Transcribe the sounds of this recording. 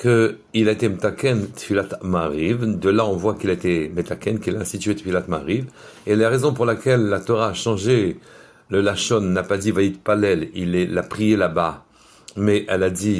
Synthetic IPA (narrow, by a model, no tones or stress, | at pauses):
kə | ilaet̪emət̪akʲɛnt̪filat̪maʁivd̪əlaɔ̃vwakilaet̪emət̪akʲɛnkɛlaɛ̃st̪it̪ɥet̪filat̪ma̰ʁiv | elaʁezɔ̃puʁlakʲɛlːat̪ɔʁaːʃɑ̃ʒe | ləlaʃɔnːapad̪ivajid̪palɛlilɛlːapχijelaba | mɛʔɛlad̪i